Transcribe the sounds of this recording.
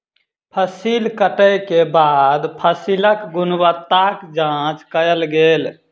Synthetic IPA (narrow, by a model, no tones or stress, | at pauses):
pʰəsilkəʈəjkebad̪pʰəsiləkɡunwət̪ːakd͡ʒãt͡ʃkəjəlɡeːl